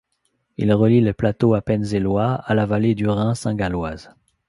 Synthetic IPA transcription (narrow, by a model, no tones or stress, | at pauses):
ḭlʁəlileplat̪oapɛnzelwaalavaled̪yʁɛ̃sɛ̃ɡalwaz